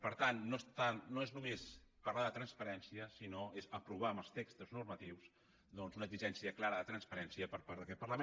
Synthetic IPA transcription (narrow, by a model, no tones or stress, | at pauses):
pəɾt̪anːost̪anoeznumespɐrlaðət̪ɾənspəɾɛnsiəsinoezəpɾuβ̞aəməlˠst̪ekst̪əznuɾmət̪iws | ðɔnzunəɡziʒɛnsiəklaɾəðət̪ɾənspəɾɛnsiəpəɾpaɾðəkɛt̪̚pərləme